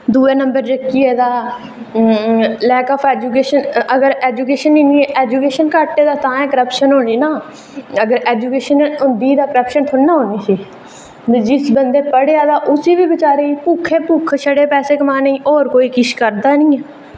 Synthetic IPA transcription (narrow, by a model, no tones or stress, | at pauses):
d̪uːeːnəmbəɾd͡ʒəkːiːeːd̪aː | lɛːkaːpʰɛːd͡ʒuːk̬eːʃənəɡəɾɛːd͡ʒuːkeːʃəniːniːɛʔɛːd͡ʒuːkeːʃənkaʈːeːd̪aːt̪ãːɛ̃ːkəɾəpʃənɦoːɽ̃iːnaː | əɡəɾɛːd͡ʒuːkeːʃənʊnd̪iːd̪aːkəɾəpʃənt̪ʰʊːaːɦoːniːsiː | d͡ʒɪsbənd̪eːpəɽeaːd̪aːʔʊsiːbiːbɪt͡ʃaːɾeːiːpuːkʰeːpuːkʰʃʰəɽeːpɛːseːkəmãːnĩːʔoːɾkoːiːkɪʃkəɾd̪aːnĩːɛ